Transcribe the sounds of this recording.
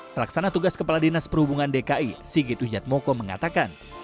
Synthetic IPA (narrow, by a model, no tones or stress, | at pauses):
pəlaksanat̪uɡaskəpaladenaspərhubuŋandekaʔisiɡɪt̪ud͡ʒat̪̚mɔkɔməŋa̰t̪akan